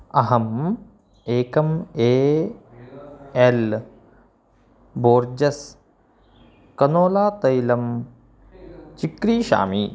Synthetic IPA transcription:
ɐɦɐm | eːkɐmeː | el | boːɾd͡ʒɐs | kɐnoːlaːt̪ɐjlɐm | t͡ʃikɾiːʃa̰ːmi

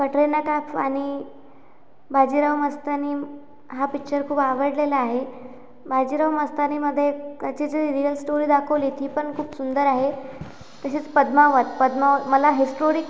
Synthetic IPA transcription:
kəʈɾenakapʰañi | bʱad͡ʑiːɾawməst̪aniː | ɦapik̚t͡ɕəɾkʰuːbaʋəɽlelaːɦe | bʱad͡ʑiɾawməst̪animəd̪ʱːjekət͡ɕid͡zəɾiɾijəlsʈoɾiːd̪akʰəʋliːt̪ʰiːpəɳkʰuːpsund̪əɾaɦe | t̪əɕiːt͡spəd̪maʋət̪̚pəd̪maʋəməlaɦisʈoɾik

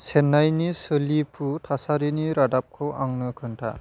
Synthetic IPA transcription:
senːajnisɯlipʰutʰasaɾiniɾadap̚kʰɯwʔaŋnɯkʰɯntʰa̰

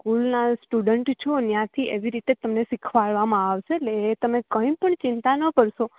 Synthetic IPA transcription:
kulnasʈuɖəɳʈt͡ʃʰonjãt̪ʰiʔeʋiɾit̪et̪əmnesikʰʋaɭʋamãaʋʃeːleːt̪əmekəĩpəɳt͡ʃɪnt̪anəkəɾʃo

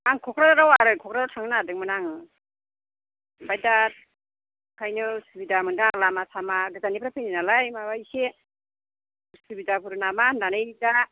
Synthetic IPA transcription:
aŋkʰɔkɾadaɾawaɾɯkʰɔkɾaɾawtʰaŋnadɯŋmɯnaŋ | bajdat̚ | kʰajnɯsɯbidamɯndaːŋlamasʰamaɡɯzanipɾapʰeninalajmabajse | sɯbidapʰuɾɯnamananɯjda

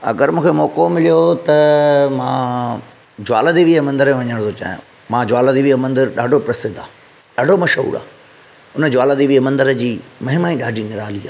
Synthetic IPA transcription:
ɐ̰ɡəɾmũːkʰemɔːkomɪlijot̪ɐmãː | d͡ʑʊaːləd̪iʋimɐ̃nd̪əɾmẽʋɐɲəɽ̃t̪ʰot͡ɕa̰ːɦjʊ̰̃ | mãːd͡ʑʊwaːləd̪iʋiəmɐ̃nd̪ɪɾɗaːɖʱopɾɐsɪd̪aː | ɗaːɖʱomɐʃɦṵːɾa̰ː | ʊnəd͡ʑʊaːləd̪iʋiəmɐ̃nd̪əɾəd͡ʑiːmɐɦɪmaːĩɗaːɖʱinɪɾaːliːaː

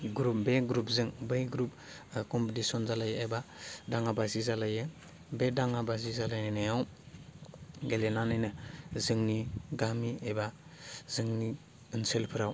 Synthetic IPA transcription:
ɡɾupbeɡɾup̚zɯŋbɯjɡɾup̚kɔmpetisɔnzalajebadaŋabazizalajɯ | bedaŋabazizalajnɯnajaw | ɡelenanɯjnɯzɯŋniɡamiebazɯŋni | ɯnselpʰɯɾaw

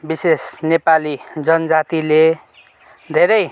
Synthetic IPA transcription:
bisesnepalid͡zʌnʌd͡zat̪ile | d̪ʱeɾʌj

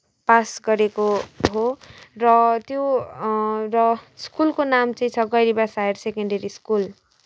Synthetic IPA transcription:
pasɡʌɾekoɦorʌt̪jo | rʌskulkonamt͡sʌĩt͡sʰʌɡʌjɾibasajeɾsekʌɳɖeɾiskul

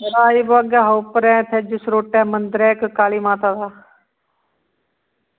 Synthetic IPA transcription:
ɐɾaːiːboɐɡaːɦowpəɾɛ̃ːt̪ʰed͡ʒʊsɾoːʈɛːmənd̪ɾɛːkkaːliːmãːt̪aːd̪aː

